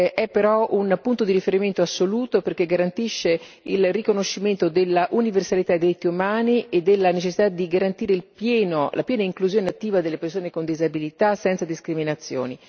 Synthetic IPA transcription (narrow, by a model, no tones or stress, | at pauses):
ʔɛpːeɾɔunpunt̪od̪iɾifeɾiment̪oasːoluːt̪operk̟eɡaɾant̪iʃːe | ilrikonoʃːiment̪od̪elːaʔuniversalit̪adejd̪iɾit̪ːiumaːniʔed̪ːelːanet͡ʃesːit̪ad̪iɡaɾant̪iːɾeilpjɛːnolapjɛːnaiŋkluzjoːneat̪ːiːvad̪elːepersoːnekond̪izabilit̪asɛnt̪sad̪iskɾiminat̪sːjo̰ːni